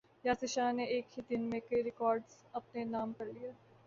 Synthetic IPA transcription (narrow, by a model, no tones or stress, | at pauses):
jaːsɪʃaːneeːkhid̪ɪnmẽkɐiɾɪkɔːɾɖz | ɐpnenaːmkɐɾlijaː